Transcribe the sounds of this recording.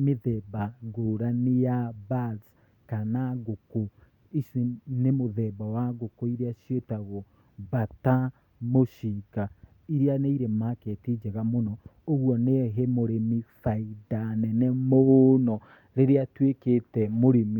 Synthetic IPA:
meðɛbaɡoːɾanejabaz | kanaɣoko | iʃnemoðɛbawaɣokoiɾeaʃjetaɣo | bata | moʃika | iɾeaneiɾemaketid͡ʒɛɣamonɔ | oɣwɔneɦemoɾemifaidanɛnɛmonɔ | ɾeɾeatweketɛmoɾemi

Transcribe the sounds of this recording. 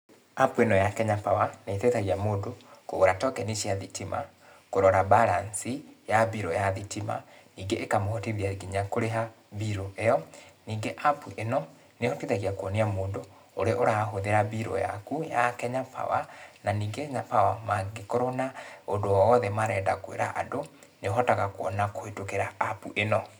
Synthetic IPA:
apuenɔjakɛɲapawaneitetaɣiamoːdokoɣoɾatɔkɛniʃiaðitimʔa̰ | koɾɔɾabalansijabiɾɔjaðitima̰niːɡeʔekamohotiðiaɡiɲakoɾeɦa | biɾoejɔniːɡeʔapuʔenɔ | nehɔtiðaɣiakwɔniamoːndo | oɾeʔoɾaɦoðeɾabiɾɔ̰ja̰kujakɛɲapa̰wananiːɡeɲapawamaɡekɔɾonaondoɔɔðɛmaɾɛːdakwḛɾa̰ʔa̰do | neɦɔtaɣakoɔnakoetokeɾaːpṵʔenɔ

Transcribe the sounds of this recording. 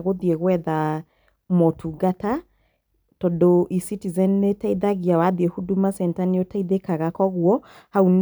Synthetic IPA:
ɣoðieɣwɛða | mɔtʰuɡata | tɔdoʔisitizɛnnetaiðaɣiawaðiehudumasɛntaneotaiðekaɣakɔɣwɔhaun

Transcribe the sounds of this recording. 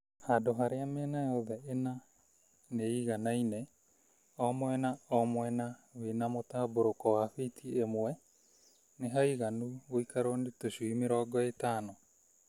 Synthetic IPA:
hadoɦaɾeamɛːnajɔðɛena | neiɣanainɛ | ɔmwɛnaɔmwɛnawenamotaboɾokɔwaɸitʰiemwɛ | neɦaiɣanuɣoikaɾonetoɕuimeɾɔɡɔetaːnɔ

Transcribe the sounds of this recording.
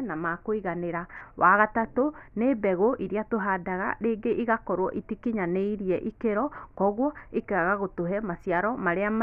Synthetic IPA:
namakoiɣaneɾawʔaɣatatoneːbɛɣoʔiɾiatoɦadaɣa̰ɾeːɡeʔiɣakɔɾwɔʔitikiɲaneiɾiɛʔikeɾɔkɔɣwɔikeɣaɣaɣotoɦɛmasiaɾɔmaɾeama

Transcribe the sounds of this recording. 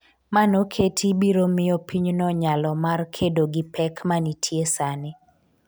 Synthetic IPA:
manokʰetʰibiɾomɪjɔpiɲnɔɲalɔmarkʰedoɡɪpʰɛkmanitʰjesanɪ

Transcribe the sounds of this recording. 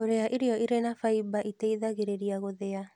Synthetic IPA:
oɾeaʔiɾeɔiɾenafaibaʔiteiðaɣeɾeɾiaɣoðea

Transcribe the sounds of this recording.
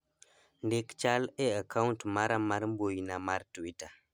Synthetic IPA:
ndekt͡ʃaleakauntmaɾamaɾmbojinamaɾtuwita

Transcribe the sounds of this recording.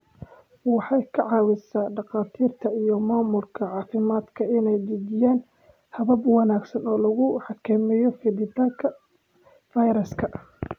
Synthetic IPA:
wɑħɑjkʰɐʕɑːwɪsaːɖɑqɑːt̪ʰiːrt̪ʰɐijɞmaːmʊlkʰɐʕɑːfɪmaːd̪kʰɐɪnɛjdɪd͡ʒɪjaːn | hɐβɐbwɑnaːɡsɐnɔːlɐɣʊħɑkʰɐmɛjɔfɪdɪt̪aːlkʰɐ | fɐjɾɐskʰɐ

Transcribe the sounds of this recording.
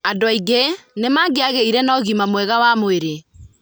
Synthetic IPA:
adwaiɡenemaɡeaɣeiɾɛnɔɣimamwɛɣawamoeɾe

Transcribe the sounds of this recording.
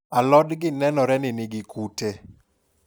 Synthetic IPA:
alɔdɡɪnɛnɔɾɛnɪnɪɡɪkute

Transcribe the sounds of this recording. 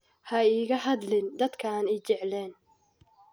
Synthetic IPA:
hɐiːɣɐɦɐd̪lɪnd̪ɐd̪kʰɐːnɛjt͡ʃɛʕlɛːn

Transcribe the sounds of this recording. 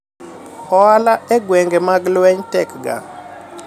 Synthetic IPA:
ɔalaɛɡwɛŋɡɛmaɡlwɛɲtɛkɡa̰

